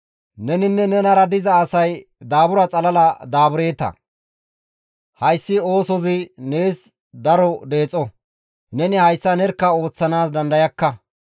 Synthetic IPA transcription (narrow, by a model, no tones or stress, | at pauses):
nɛnɪnːɛnɛnɐɾɐd̪ɪzɐːsɐj | d̪aːbʊɾɐt͡sʼɐlɐlɐd̪aːbʊɾe̞ːt̪ɐ̰ | hɐjsːɪo̞ːsɔzɪne̞ːs | d̪ɐɾɔd̪e̞ːt͡sʼːɔ | nɛnɪhɐjsːɐnɛɾkːɐo̞ːt͡sːɐnaːsd̪ɐnd̪ɐjɐkːɐ